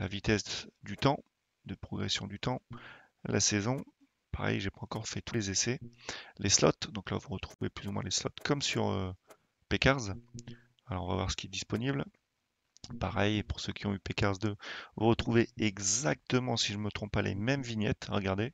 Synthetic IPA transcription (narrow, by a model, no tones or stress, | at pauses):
lavit̪ɛsd̪yt̪ɑ̃ | d̪əpχɔɡʁesjɔ̃d̪yt̪ɑ̃ | lʔa̰sɛzɔ̃ | paʁɛ̰jʒepaɑ̃kɔʁfɛt̪ulezesɛlʔeslɔ̰t̪d̪ɔ̃kla̰vuʁət̪χuveplyzumwɛ̰̃leslɔ̰t̪kʰɔmsyʁø̰ | pekaʁz | alɔʁɔ̃va̰vwa̰ʁsə̥kʲiɛd̪ispɔnibl | paʁɛjepuʁsøkʲiɔ̃ypekʲaʁzd̪øvuʁət̪χuveɛɡzak̚t̪əmɑ̃siʒəmət̪χɔ̃p̚pːalʔḛmɛmviɲɛ̰t̪ʁəɡaʁd̪e